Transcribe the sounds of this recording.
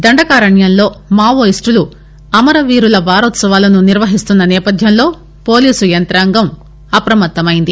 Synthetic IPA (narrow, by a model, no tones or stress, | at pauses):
d̪ɐɳɖɐkaːɾɐɳjɐnlo̞ːmaːʋoːisʈulu | ɐmɐɾɐʋiːɾulɐʋaːɾɔːt̪sɐʋaːlɐnuniɾʋɐɦist̪unːɐnɛːpɐd̪ʱjɐnlo̞ː | po̞ːliːsujɐnt̪ɾaːŋɡɐm | ɐpɐɾɐmɐt̪ːɐmɐjind̪i